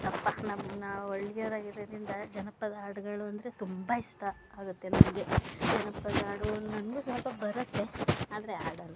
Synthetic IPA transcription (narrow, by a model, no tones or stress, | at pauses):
t̪ɐpːɐnɐmnɐoɭːjɐɾaːɡiɾɐd̪ɾind̪ɐd͡ʒɐnɐpːɐd̪aːɽɐɡɐɭuɐnd̪ɐɾe̞t̪umbaiʂʈɐːɡut̪ːe̞nɐnɡed͡ʒɐnɐpːɐd̪aːɽunɐnɡesʋɐlpɐbɐɾɐt̪ːe̞aːd̪ɐɾe̞a̰ːɽɐlu